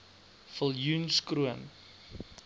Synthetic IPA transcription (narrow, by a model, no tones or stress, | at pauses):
fəlˠjunskruən